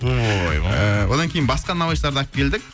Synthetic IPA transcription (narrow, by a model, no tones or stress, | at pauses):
oj̰əwo̞d̪ɑŋkʲʰe̞jɪnbɑsqɑnɑwɑjʃt̪ˠɑɾd̪ɑp̚kʲʰe̞ld̪ɪk̚